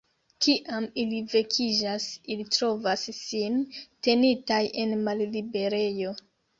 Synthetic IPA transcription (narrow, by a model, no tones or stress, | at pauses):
kiʔamilive̞kʰid͡ʒasilitɾo̞vasːinte̞nitajʔe̞nmallibe̞ɾe̞jo̞